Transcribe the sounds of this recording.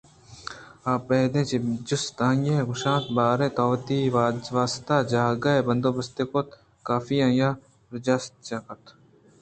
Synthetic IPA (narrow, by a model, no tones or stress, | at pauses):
aːpːɛɦd̪ẽːt͡ʃed͡ʒʊst̪ãːjẽɡʊʃãːnt̪baːɾẽːt̪ɔːʋt̪iʋaːst̪ad͡ʒaːɡaebɐ̃nd̪oːbɐst̪eːkot̪ | kaːfijãjaː | ɾɪd͡ʒaːst̪t͡ʃaːkɐt̪ʰ